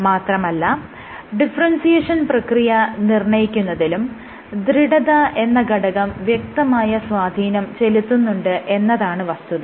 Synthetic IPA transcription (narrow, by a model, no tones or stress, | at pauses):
maːt̪rɐmɐlːɐ | ɖifɐrɐnsijeːʂɐnprɐkrijɐnirɳɐjikʲːunːɐðilum | d̪ɾiɽɐðɐʔe̞nːɐɡɐɽɐɣɐmʋjek̚t̪ɐmaːjɐsʋaːd̪ʱiːnɐmt͡ɕe̞lut̪ːunːuɳɖɨʔe̞nːɐðaːɳɨʋɐst̪uðɐ